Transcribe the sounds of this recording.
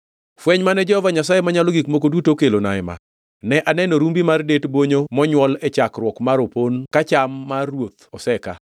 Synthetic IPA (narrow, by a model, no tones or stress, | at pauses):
fwɛɲmanɛd͡ʒɔhɔvaɲasajemaɲaloɡikmok̬odutokelona̰ɪma̰ | nɛʔanɛnoɾumbimardetboɲomɔɲwɔlɛt͡ʃakɾwɔkmaɾoponkat͡ʃamːarwot̪ɔsɛka̰